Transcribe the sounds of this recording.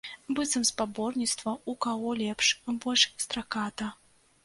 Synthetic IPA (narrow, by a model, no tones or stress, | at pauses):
bɨt̪sɐmspabɔrnʲit̪st̪vɐukaɣɔlʲɛpʂbɔlʲʂst̪ɾakat̪ɐ